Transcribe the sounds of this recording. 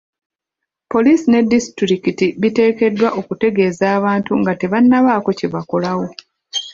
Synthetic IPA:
po̞lisine̞dːistɾikitiβite̞ːke̞dːwaʔo̞kute̞ɡe̞ːzaːβaːntuŋɡate̞βanːaβaːko̞ceβako̞lawo̞

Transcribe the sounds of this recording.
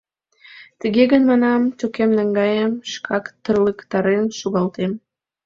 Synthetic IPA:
t̪əɣeɣənmɑnɑmt̪okemnəŋɡɑjəmʃkʰɑkt̪ərləkt̪ɑɾenʃuɣɑlt̪em

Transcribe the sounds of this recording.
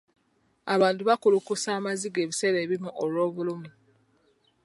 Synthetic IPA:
aβaːntuβakulukusaːmaziɡe̞ːβise̞ɾe̞ːβimuʔolwo̞ːβulumu

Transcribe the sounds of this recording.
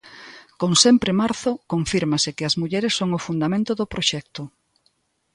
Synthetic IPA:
koŋsɛmpɾɪmaɾθʊkoɱfiɾmasɪkɪɐzmuʎɛɾesːoŋʊfund̪amẽnt̪oðʊpɾoʃɛk̚t̪ʊ

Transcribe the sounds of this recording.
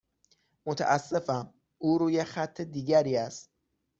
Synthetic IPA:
mot̪ʰæ̰ʔæsːe̞fæm | uːɾuːjexæt̪ʰːed̪iːɡæɾiːæst̪̚

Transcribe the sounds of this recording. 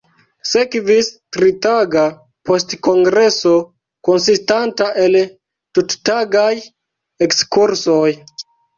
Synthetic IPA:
se̞kvistɾitaɡa | po̞stko̞ŋɡɾe̞so̞ | ko̞nsistantaʔe̞l | tuttaɡaj | e̞kskuɾso̞j

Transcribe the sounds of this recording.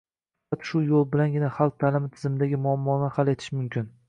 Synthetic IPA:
at̪ʃʊjolˠbɪlanɡʲɪnaχalˠq̚t̪ʰalɪmɪt̪ʰɪ̥zɪmɪd̪aɡʲɪmʊamːɒnɪhalˠe̞t̪ʰɪʃmʊmkʲʰɪn

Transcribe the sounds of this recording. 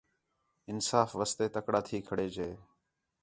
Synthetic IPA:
ɪnsaːfʋəst̪eːt̪əkɽaːt̪ʰiːkʰəɽeːd͡ʒeː

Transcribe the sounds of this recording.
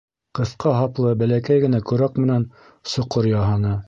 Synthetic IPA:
qɤ̆θqɑɦɑplˠɤbælækæjɡɘ̆nækʉɾækmɘ̆næn | sŏqoɾjɑɦɑnɤ

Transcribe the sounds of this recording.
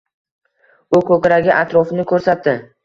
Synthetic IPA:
ʊkʲʰɵkʲɾaɡʲɪʔat̪ɾɒfɪnɪkʰɵɾsat̪̚d̪ɪ

